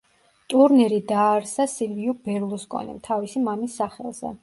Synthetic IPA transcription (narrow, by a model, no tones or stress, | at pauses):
t̪ʼuɾnɛɾid̪aːɾsasilviubɛɾlˠuskʼɔ̰nḭmt̪ʰavisimamisːaχɛ̰lˠz̥ɛ̰